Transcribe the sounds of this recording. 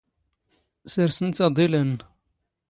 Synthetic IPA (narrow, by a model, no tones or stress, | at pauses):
səɾsənt͡s̪ɑd̪ˤilən